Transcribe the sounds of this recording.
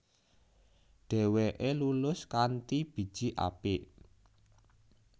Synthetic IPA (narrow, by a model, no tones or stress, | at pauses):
ɖ̥ɛ̤weʔelulʊskant̪ib̥i̤d̥ʒ̥i̤ʔa̰pɪʔ